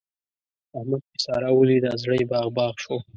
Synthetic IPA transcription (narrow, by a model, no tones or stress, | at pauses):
ahmad̪̚kɪsɑɾawəlid̪azɽəjbɑːɣbɑːɣʃo